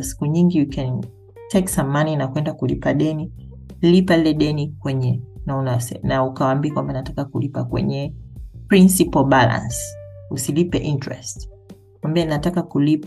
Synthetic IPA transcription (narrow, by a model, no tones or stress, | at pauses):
si̥kuɲiŋɡiukɛn | tʰɛksamaninakwɛndakulḭpaɗɛni | lipailɛɗɛnikwɛɲɛnaunasɛnaukawambikwambaninatakakulipakwɛ̰ɲɛpɾinsipɔlbalã̰nsusilipɛʔintɹɛ̰st | kwambianinatakakulip